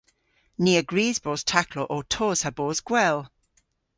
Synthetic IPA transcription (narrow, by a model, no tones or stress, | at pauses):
niːəɡɹiːzbɔːz̥tʰakʰlɔʔɔtʰɔːz̥abɔːzɡ̥wɛlˠ